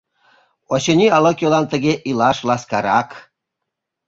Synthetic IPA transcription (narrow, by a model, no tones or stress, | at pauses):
oɕə̆nʲiɑlokʲjolɑnt̪ə̆ɣeʔilɑʃlɑskɑɾɑk